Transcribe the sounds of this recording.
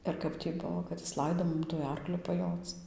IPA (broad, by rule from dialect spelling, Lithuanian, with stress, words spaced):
ɪr ˈkɐp tʲiː ˈbʊʋoː kɐt ˈjɪs ˈlˠɐɪdoː ˈmʊm tuɔj ˈɐrklʲʊ pɐˈjoːt͡s